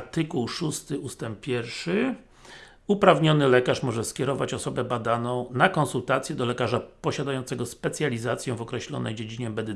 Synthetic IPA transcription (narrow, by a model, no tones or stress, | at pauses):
t̪ɘkuwʂust̪ɘust̪ɛmp̚pʲːjɛɾfʂɘ | upɾavɲɔnɘlɛkaʂmɔʐɛskʲjɛɾɔvat͡ɕɔsɔbɛbad̪anɔ̃w̃nakɔnsult̪at̪sʲjɛd̪ɔlɛkaʐapɔɕad̪ajɔnt̪ɛɡɔspɛt̪sʲjalʲizat̪sʲjɛ̃vɔkɾɛɕlɔ̰nɛjd͡ʑed͡ʑiɲɛbɛd̪ɘ